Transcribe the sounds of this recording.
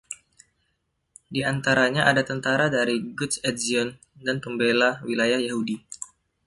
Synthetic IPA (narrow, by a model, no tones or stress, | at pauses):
diant̪aɾaɲaʔadat̪ənt̪aɾadaɾiɡut̪sɛt̪̚ziɔn | danpəmbelawilajahjahudi